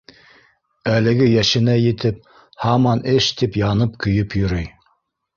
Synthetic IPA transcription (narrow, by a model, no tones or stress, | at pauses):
ælɘ̆ɡɘjæʃɘ̆næjɘ̆t̪ɘp̚ | hɑmɑnɘʃt̪ipjɑnɤpkɵ̆jɵpjɵ̆ɾɵj